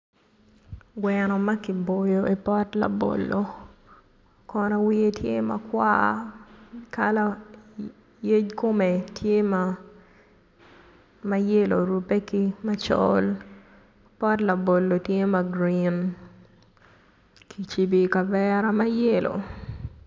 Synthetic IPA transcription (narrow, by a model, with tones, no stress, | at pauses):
ɡwɛ˨nɔ˨ma˦ki˨bo˨jo˨ʔe˨pɔ˦tla̰˨bo̰˨lːo | kɔna˨wi˦e˦tʰje˦ma̰˨kwa̰˦ | ka˦la˨ | je˦d͡ʒko˦me˨tʰje˦ma | ma˦je˦lo̰˨ɾu˨pe˦ki˦ma˦t͡ʃɔ̰l | pɔ˦tla˨bo˨lːo˨tje˦ma˨ɡɾin | kʰi˨t͡ʃi˨bi˨ka˨vɛ˦ɾa˦ma˦je˦lʔo̰˨